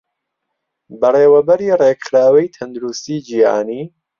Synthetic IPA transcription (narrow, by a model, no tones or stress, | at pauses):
bɐreːwɐbɐɾiːreːkχɾaːwɐjt̪ʰɐnd̪uɾust̪iːd͡ʒiha̰ːniː